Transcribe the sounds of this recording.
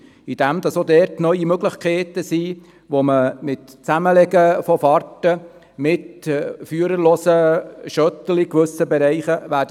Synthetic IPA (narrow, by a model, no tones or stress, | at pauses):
id̥æmd̪ɑsod̪ɛɾtnœʏimøɡlɪχkʰɛːt̪əsiː | ʋoməmɪt̪t͡sæməlɛɡəfɔfɑɾtə | mɪtfyːəɾəloːsəʃœtəlikʋɵsəbɛɾɛɪχəʋæːɾdə